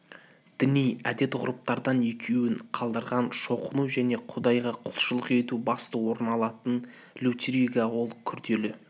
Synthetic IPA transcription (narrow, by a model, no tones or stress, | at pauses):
d̪̥ɪnijæd̪e̞t̪ʁʊɾʊp̚t̪ɑɾd̪ɑnekʲʰewɪɴqʰɑlˠd̪əɾʁɑnʃo̞qənuwʒæne̞qʰʊd̪ɑjʁɑqʰʊlˠʃəlˠəqe̞t̪ubɑst̪əwo̞ɾənɑlˠɑt̪ən | lʲut̪ʲɾiɡɑwo̞lˠkʲʰʏɾd̪e̞lɪ